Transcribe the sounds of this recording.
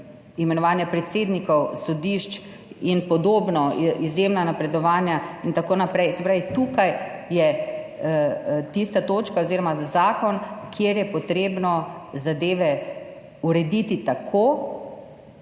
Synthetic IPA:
imɛnɔʋaːnjapɾɛt̪seːd̪nikɔwsɔd̪iʃt͡ʃ | inpɔd̪oːbnɔizjemnanapɾɛd̪ɔʋaːnjaint̪akoːnapɾɛjsɛpɾaːʋit̪uːkajjɛ | t̪ist̪at̪oːt͡ʃkaoziːɾɔmazaːkɔnkʰjeːɾjɛpɔt̪ɾeːbnɔzad̪eːʋɛ | uɾɛd̪it̪it̪akʰoː

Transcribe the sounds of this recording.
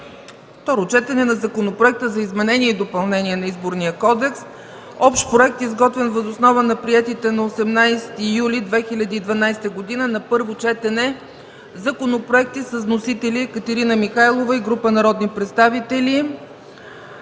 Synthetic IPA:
ft̪ɔɾot͡ʃɛt̪ɛnɛnɐzɐkonopɾoɛk̚t̪əzɐizmɛnɛniɛid̪opɐlˠnɛniɛnɐizboɾnijəkɔd̪ɛks | ɔpʃt̪pɾoɛk̚t̪izɡɔt̪vɛnvəzosnɔvənɐpɾiɛt̪it̪ɛnɐosɛmnajst̪ijulid̪vɛxilʲɐd̪iːd̪vɐnajst̪əɡod̪inənɐpɤɾvot͡ʃɛt̪ɛnɛ | zɐkonopɾoɛk̚t̪isəznosit̪ɛlʲikət̪ɐɾinəmixajlˠovəiɡɾupənɐɾɔd̪nipɾɛt̪st̪avit̪ɛli

